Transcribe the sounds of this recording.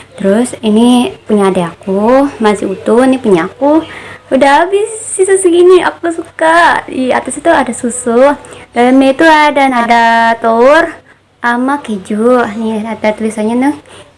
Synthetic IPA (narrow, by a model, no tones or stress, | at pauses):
t̪əɾʊsinipuɲaːdaakumasɪut̪ʊnipuɲaːkuudaɦabɪsːisusuɡinia̰kusukadiat̪ast̪uadasusʊhdalmet̪uadanadat̪or | ʔamaked͡ʒuʔniadat̪uisaɲat̪u